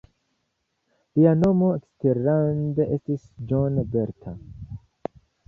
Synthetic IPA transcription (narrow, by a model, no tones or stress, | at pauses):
lianomoeksteɾandeʔestisd͡ʒonbeɾtʰa